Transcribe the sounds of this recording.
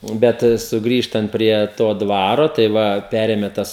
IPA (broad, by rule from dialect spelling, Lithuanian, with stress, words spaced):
ˈbʲɛt sʊˈɡrʲiːʃtɐnt pʲrʲiɛ ˈtoː ˈdʋɑːroː tɐɪ ˈʋɐ ˈpʲæːrʲeːmʲɛ ˈtɐs